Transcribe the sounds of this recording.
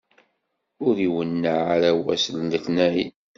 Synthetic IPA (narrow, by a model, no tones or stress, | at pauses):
ʊɾiwənːaʕaɾæwæ̰səlːəθnæi